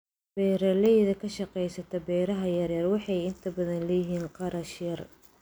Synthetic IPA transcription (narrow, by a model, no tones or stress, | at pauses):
b̥ɛːɾɛlɛjðɐkʰɐʃɑqɛjsɐt̪ʰɐbɛːɾɐɦɐjɐɾjɐrwɑħɑjɪnt̪ʰɐbɐðɐnlɐjɪɦiːnqɑɾɐʃjɐr